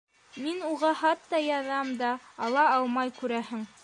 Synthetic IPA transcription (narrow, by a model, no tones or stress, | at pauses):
minuʁɑhɑt̪ːɑjɑðɑmd̪ɑːlˠɑɑlˠmɑjkʉɾæhɘŋ